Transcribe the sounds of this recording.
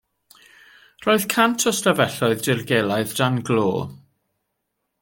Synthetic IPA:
r̥oːɨðkʰantʰɔsləvɛɬɔɨðdɪrɡelˠaɨðdanɡlo̰ː

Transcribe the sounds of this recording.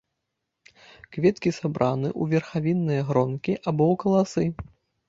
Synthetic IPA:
kvʲɛt̪kʲisabɾʔanɨʔuvʲɛrxavʲinːɨjɐɣɾɔnkʲiʔabɔwkɐlˠasɨ

